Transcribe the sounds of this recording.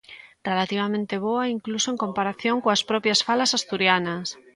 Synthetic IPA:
relat̪iβ̞amẽnt̪eβ̞oaiŋklusoeŋkompaɾaθjoŋkoaspɾɔpjasfalasast̪uɾjanas

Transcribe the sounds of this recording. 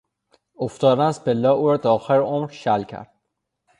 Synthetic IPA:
oft̪ɒːd̪ænæsbelːɒːuːɾɒːd̪ɒːxeɾomɾʃælcʰæ̰ɾd̪̥

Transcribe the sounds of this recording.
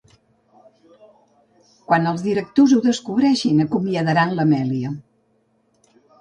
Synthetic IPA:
kwanəlˠzðiɾək̚t̪ozuðəskuβɾɛʃinəkumiəðəɾanləmɛliə

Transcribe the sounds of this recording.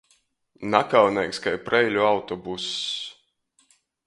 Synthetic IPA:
nakawnʲɛjkskajpɾɛjlʲuawt̪ɔbus

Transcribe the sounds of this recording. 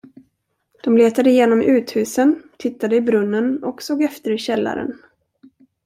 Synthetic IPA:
d̪̥ɔmleːt̪ad̪əɪjeːnɔmʔʉ̟ːt̪hʉ̟ːsənt̪ʰɪt̪ːad̪əɪbɾɵnːənɔksoːɡɛft̪əɾɪɕɛlːa̰ɾə̰n

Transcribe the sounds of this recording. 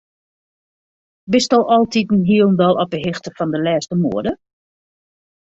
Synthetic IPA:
bɪstɔlˠʔɔlˠtʰitn̩ɦiəlˠn̩dɔlˠɔpəɦɪxtəfɔndəlɛːstəmuədə

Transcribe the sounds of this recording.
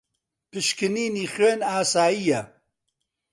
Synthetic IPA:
pɨʃkɨniːniːxweːnaːsaːijɐ

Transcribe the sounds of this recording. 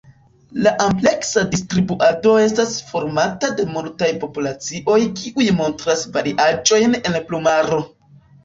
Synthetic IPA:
laʔample̞ksadistɾibuʔado̞e̞stasfo̞ɾmatade̞multajpo̞pulat͡siʔo̞jkiʔujmo̞ntɾasvaɾiʔad͡ʒo̞jne̞nplumaɾo̞

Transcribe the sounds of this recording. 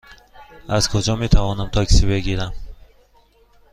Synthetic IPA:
azkʰud͡ʒɔmet̪ʰavɔnamt̪ʰɔkʰi̥sibeɡiɾam

